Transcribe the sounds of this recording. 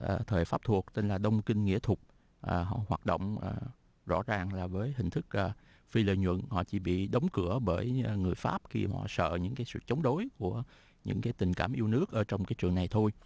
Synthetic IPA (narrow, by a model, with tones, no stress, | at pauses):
ʔəː˨˩t̪ʰəː˨˩jfaː˦˥p̚t̪ʰu˨˩ək̚t̪e˧nlaː˨˩ɗə˧wŋ͡mkï˧ŋ̟ŋḭ˧˥t̪ʰʊ˨˩k͡p̚ | ʔəː˨˩ɦɔ̰˧˨hwaː˨˩t̚ɗo̰˧˨wŋ͡mʔː | zɔ̰˧˥zaː˨˩ŋlaː˨˩vəː˨˦jɦï˨˩ŋ̟t̪ʰɨ˦˥k̚ʔː | fi˧lə̰˧˨jɲwə̰˧˨nhɔ̰˧˨t͡ɕḭ˧˩ɓḭ˧˨ɗə˨˦wŋ͡mkɨ˧˩əɓəː˧˩jŋɨ˨˩əjfa̰ː˦˥p̚xḭ˧hɔ̰˧˨sə̰ː˧˨ɲɨ̰˧˥ŋkaː˨˦jsɨ̰˧˨t͡ɕə˨˦wŋ͡mɗo˨˦jku˧˩ə | ɲɨ̰˧˥ŋkaː˨˦jt̪ï˨˩ŋ̟kaː˧˩mʔi˧əwnɨ˦˥ək̚ʔəː˧˩˦t͡ɕɔ˧wŋ͡mkaː˨˦jt͡ɕɨ˨˩əŋna˨˩jt̪ʰo˧j